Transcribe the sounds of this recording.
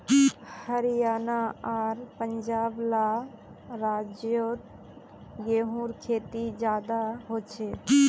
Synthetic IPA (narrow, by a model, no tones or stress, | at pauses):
həɾijaːnaaːɾpəɲd͡ʒaːbla | ɾaːd͡ʒjot̪ | jeɦũɾkʰeːt̪id͡ʒjaːd̪aɦoːt͡ʃʰeː